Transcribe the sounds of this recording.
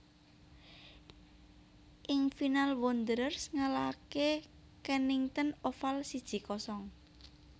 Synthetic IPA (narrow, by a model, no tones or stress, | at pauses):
ʔɪŋfinalwond̪ɾərsŋalake | kəniŋt̪ənofalsid̥ʒ̥i̤kɔsɔŋ